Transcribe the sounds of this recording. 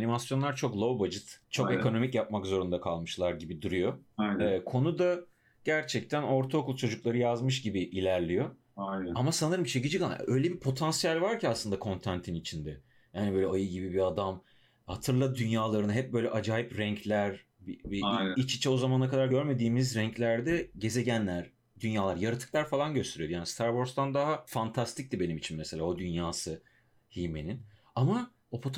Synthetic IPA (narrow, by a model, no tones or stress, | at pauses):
nimasjo̞nlˠaɾt͡ʃʰo̞klˠo̞vbad͡ʒɯt̪t͡ʃʰo̞ke̞ko̞no̞micjap̚makzo̞ɾund̪akʰalˠmɯʃlˠaɾɟibid̪uɾujo̞jɛkʰo̞nud̪a | ɟ̥æɾt͡ʃʰɛc̚t̪ʰæno̞ɾt̪ʰao̞kulˠt͡ʃʰo̞d͡ʒuklˠaɾɯjazmɯʃ̬ɟibiʔilʲæɾlʲijo̞ | ajnamasanɯɾɯmt͡ʃʰecid͡ʒikan̰ø̞jlʲebipʰo̞t̪ʰansijalʲvaɾcʰiaslˠɯnd̪akʰo̞nt̪ʰant̪ʰinit͡ʃʰind̪ɛ | jaːnibøːlʲɛʔajɯɟibibiad̪am | hat̪ʰɯɾlˠad̪ynjaːlˠaɾɯnɯɦɛp̚bøjlʲɛʔad͡ʒaːjipɾɛɲcʰlʲæɾ | bibiit͡ʃi̥t͡ʃʰɛo̞zamanakad̪aɾɟø̞ɾme̞d̪iːmizɾɛɲclʲæɾd̪ɛɟe̞ze̞ɟænlʲæɾ̥ | d̪ynjaːlˠaɾjaɾɯt̪ʰɯ̥klˠaɾfalˠanɟøst̪ʰeɾijjaːnist̪ʰaɾvo̞ɾst̪and̪aɦafant̪ʰast̪ʰic̚d̪ibe̞nimit͡ʃʰinmeselʲaːo̞d̪ynjaːsɯ | hime̞nin | ama | o̞pʰo̞t̪ʰ